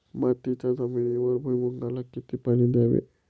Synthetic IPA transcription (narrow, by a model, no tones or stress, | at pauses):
mat̪it͡ɕad͡zəminiʋəɾbʱujmuŋɡalakit̪ipanid̪jaʋḛ